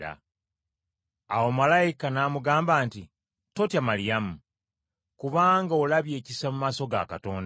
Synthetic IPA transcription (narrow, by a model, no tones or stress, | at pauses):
a̰ | awomalajikanaːmuɡaːmbaːnti | to̞tjamaɾijamu | kuβaːŋɡaolaβje̞ːcisamumaːso̞ɡa̰kato̞ːnd